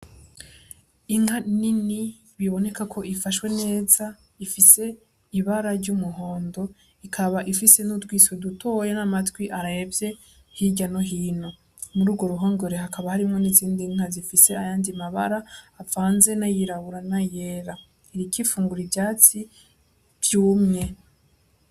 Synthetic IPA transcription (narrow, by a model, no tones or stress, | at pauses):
iŋ̥anini | βiβo̞ne̞kakʰo̞ʔifaʃwe̞ne̞ːza | ifise̞ | iβaɾaɾɟumuɦo̞ːndo̞ | ikʰaβaʔifise̞nutɡwiːsweduto̞ːjenamatwiʔaɾajebje̞ | hiɟanoɦiːno̞ | muɾuːɡwo̞ɾuɦo̞ːŋɡo̞ɾe̞hakaβahaɾimŋo̞niziːndiŋ̥azifise̞ajaːndimaβa̰ɾaːvaːnze̞najiɾaβuɾanaje̞ːɾa | iɾikifuːŋɡuɾibjaːt͡si | vjuːmŋe̞